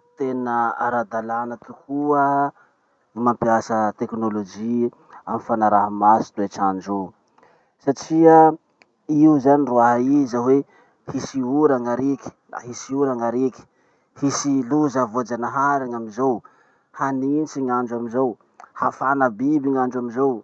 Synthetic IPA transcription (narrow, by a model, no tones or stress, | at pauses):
t̪enəaɾad̪alanət̪ukuə | imampiasət̪eknolod͡ʒi | amifanaɾaɦamasi̥t̪uet͡ʃand͡ʒu | saʈ͡ʂiə | iuzaniruaɦaizawe | hisiuɾaŋaɾeki̥ | a̰hisiuɾaŋaɾeki̥ | hisiluzavod͡ʒanaɦaɾaŋamizow | haninit͡ʃiɲand͡ʒuamizow | hafanəbibiɲand͡ʒuamizow